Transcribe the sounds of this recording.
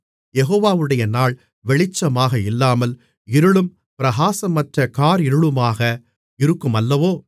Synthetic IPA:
jɛɣoːʋaːʋɯɽɐjɐnaːɭ | ʋɛɭɪt͡ʃːɐmaːɣɐɪlːaːmɐl | ɪɾɯɭɯm | pɪɾɐɣaːsɐmːɐʈrɐkaːɾɪɾɯɭɯmaːɣɐ | ɪɾɯkːɯmɐlːɐʋoː

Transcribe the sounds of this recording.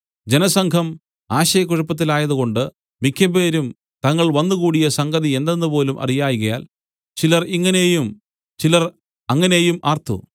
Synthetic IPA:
d͡ʑe̞nɐsɐŋkʰɐm | aːɕɐjɐk̬ːuɻɐpːɐt̪̬ːilaːjɐðuɣo̞ɳɖɨ | mikʰːɐbeːɾum | t̪ɐŋːɐɭʋɐnːukuːɽijɐsɐŋɡɐðie̞nd̪ɐnːɨpo̞ːlumʔɐ̰rijaːjuɣɐja̰ːl | t͡ɕilɐriŋːɐnejum | t͡ɕilɐr | ɐŋːɐne̞jumʔaːrt̪ʰṵ

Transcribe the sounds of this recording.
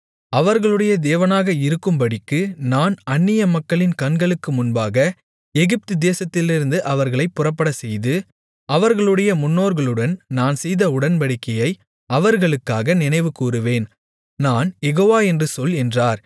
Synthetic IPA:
ɐʋɐɾɣɐɭɯɽɐjɐd̪eːʋɐnaːɣɐɪɾɯkːɯmpɐɽɪkːɯnaːnɐnːɪjɐmɐkːɐɭɪnkɐɳɡɐɭɯkːɯmʊnbaːɣɐ | ɛɣɪp̚t̪ɯd̪eːsɐt̪ːɪlɪɾɯnd̪ɯʔɐʋɐɾɣɐɭɐɪpːʊrɐpːɐɽɐsɛjðɯ | ɐʋɐɾɣɐɭɯɽɐjɐmʊnːoːɾɣɐɭɯɽɐnnaːnsɛjðɐʊɽɐnpɐɽɪkːɐjɐɪ | ɐʋɐɾɣɐɭɯkːaːɣɐnɪnɐɪʋɯkuːrɯʋeːn | naːnjɛɣoːʋaːɛndrɯsɔlɛndraːɾ

